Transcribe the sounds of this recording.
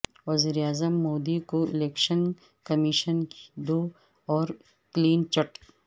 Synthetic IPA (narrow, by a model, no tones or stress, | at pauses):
ʋɐziːɾeaːzəmːoːd̪ikoɪ̰leːkʃən | kɐmiʃənkd̪oː | ɔːɾ | kliːnt͡ʃɐʈ